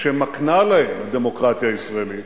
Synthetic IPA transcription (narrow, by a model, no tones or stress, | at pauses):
ʃemaknalaemad̪emo̞kʁat̪jaːisʁaelit